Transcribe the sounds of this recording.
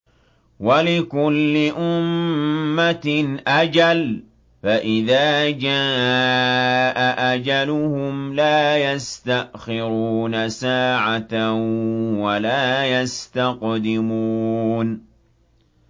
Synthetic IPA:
walɪkʊlːɪʔʊmː | at̪nʔad͡ʒal | faʔɪðaːd͡ʒaː | ʔaʔad͡ʒalʊhʊmlaːjast̪aʔxɪɾuːnasaːʕat̪a | walaːjast̪aqd̪ɪmuːn

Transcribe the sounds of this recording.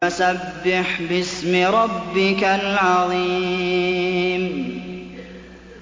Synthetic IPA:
asabːɪħbɪsmɪɾˤɑbːɪkalʕɑðˤiː | m

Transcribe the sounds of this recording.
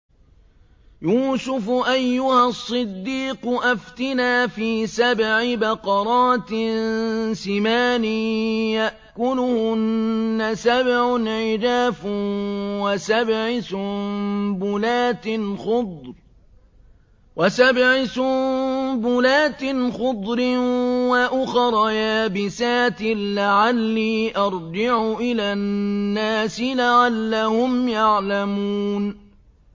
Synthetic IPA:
juːsʊfʊʔajːʊhasˤːɨd̪ːiːqʊʔaft̪ɪnaːfiːsabʕɪbɑqɑɾˤɑːt̪ɪ | sɪmaːnɪjaʔkʊlʊhʊnːasabʕʊnʕɪd͡ʒaːf | wasabʕɪsʊmmbʊlaːt̪ɪnxʊd̪ˤɾ | wasabʕɪsʊmbʊlaːt̪ɪnxʊd̪ˤɾɪwaʔʊxɑɾˤɑjaaːbɪsaːt̪ɪnlaʕalːiːʔɑɾˤd͡ʒɪʕʊʔɪlaːnːaːsɪlaʕalːahʊmjaʕlamuːn

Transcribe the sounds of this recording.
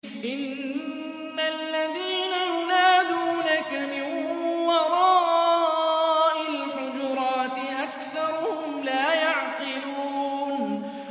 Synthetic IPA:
ʔɪnː | alːaðiːnajʊnaːd̪uːnakamɪnwɑɾˤɑːʔ | ʔalħʊd͡ʒʊɾˤɑːt̪ɪʔakθɑɾˤʊhʊmlaːjaʕqɨluːn

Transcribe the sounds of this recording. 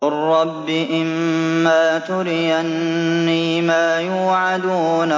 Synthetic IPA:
ʊrˤːɑbːɪʔɪmːaːt̪ʊɾɪjanːiːmaːjuːʕad̪uːna

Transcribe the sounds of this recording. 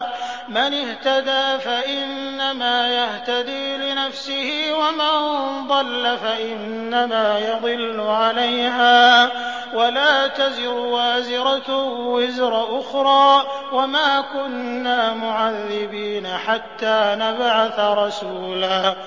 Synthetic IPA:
manɪht̪ad̪aːfaʔɪnːamaːjaht̪ad̪iːlɪnafsɪhɪwamɪnd̪ˤɑlːafaʔɪnːamaːjɑd̪ˤɨlːʊʕalajɦaː | walaːt̪azɪɾwaːzɪɾat̪wɪzɾˤaʔʊxɾˤɑːwamaːkʊnːaːmʊʕaðːɪbiːnaħat̪ːaːnabʕaθaɾˤɑsuːlaː

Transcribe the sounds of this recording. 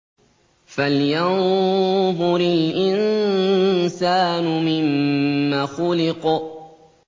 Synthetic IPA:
faljan | hʊɾilʔɪn | saːnʊmɪmːaːxʊlɪq

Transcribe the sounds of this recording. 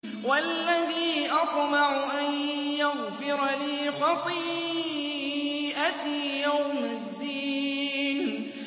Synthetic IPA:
walːaðiːʔɑt̪ˤmaʕʊʔanjaɣfɪɾliːxɑt̪ˤiː | ʔajawmad̪ːiːn

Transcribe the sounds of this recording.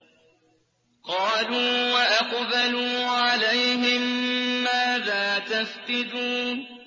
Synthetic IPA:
qɑːluːwaʔaqbaluːʕalajɦɪmːaːðaːt̪asqɨd̪uːn

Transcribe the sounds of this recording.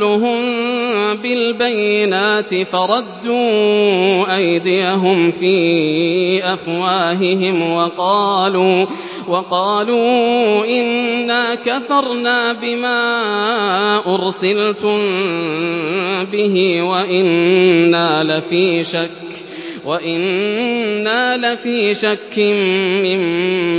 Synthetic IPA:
ʊɦʊm | bɪlbajːɪnaːt̪ɪfɑɾˤɑd̪ːuː | ʔajd̪ɪjaɦʊmfiː | ʔafwaːɦɪɦɪmwɑqɑːluː | wɑqɑːluːʔɪnːaːkaθɑɾˤnaːbɪmaː | ʔʊɾsɪlt̪ʊm | bɪɦɪwaʔɪnːaːlafiːʃakː | waʔɪnː | aːlafiːʃakːɪmmɪm

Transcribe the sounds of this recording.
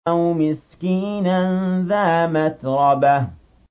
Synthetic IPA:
awmɪskiːnanðaːmat̪ɾˤɑba

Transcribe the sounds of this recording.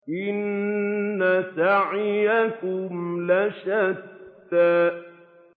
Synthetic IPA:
ʔɪnː | asaʕɪjakʊmlaʃad̪ːa

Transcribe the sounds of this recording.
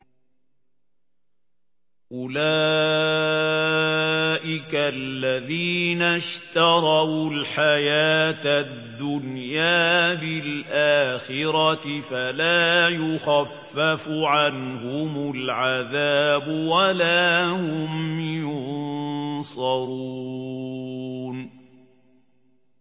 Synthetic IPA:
ʔʊlaː | ʔɪkalːaðiːnaʃt̪ɑɾˤɑlħajaːt̪ad̪ːʊnjaːbɪlʔaːxɪɾɑt̪ɪfalaːjʊxafːafʊʕanhʊmʊlʕaðaːbʊwalaːhʊmjʊnnsˤɑɾuː | n

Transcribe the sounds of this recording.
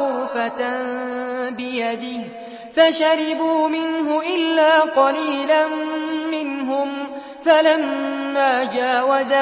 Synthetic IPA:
ʊɾfat̪ | bɪjad̪ɪh | faʃaɾɪbuːmɪnɦʊʔɪlːaːqɑliːlanːɪnɦʊm | falamːaːd͡ʒaːwaza

